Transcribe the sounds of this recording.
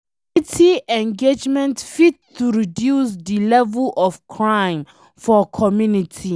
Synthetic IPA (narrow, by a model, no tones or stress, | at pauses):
itʰiʔɛ̃nɡed͡ʒmɛ̃ntfit̚tʰuɹidjusdilɛvɛlʔɔfkʰɹãj̃m | fɔkʰɔmjunitʰi